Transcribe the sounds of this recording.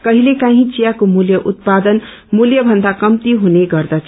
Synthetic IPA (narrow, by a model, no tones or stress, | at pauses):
kʌɦilekãɦĩt͡sijakomuljʌʔut̪̚pad̪ʌn | muljʌbʱʌnd̪akʌmt̪iɦuneɡʌrd̪ʌt͡sʰ